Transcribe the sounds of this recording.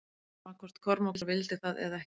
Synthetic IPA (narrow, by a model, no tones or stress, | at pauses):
awkʰvɔr̥t̪kʰɔɾmawlvɪlt̪ɪθaðɛ̰ðaɛh